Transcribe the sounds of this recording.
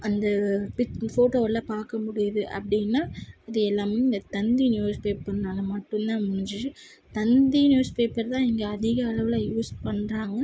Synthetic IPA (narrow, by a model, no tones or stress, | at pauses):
ɐnd̪ɐpɪtfoːʈoːɐlːaːpaːɾkɐmʊɽɪjɐðɯʔɐ̰pɐɽɪnːaːɐðɯɛlːaːmeːɪnd̪ɐt̪ɐnd̪injuːspeːpːɐnːaːlɐmɐʈːɯnt̪ãːmʊɳɪɲd͡ʒɯɯ | t̪ɐnd̪injuːspeːpɐɾt̪ãːɛŋɡɐɐðɪɣɐːɭɐʋɪlaːjuːspɐɳɾaːŋɡɐ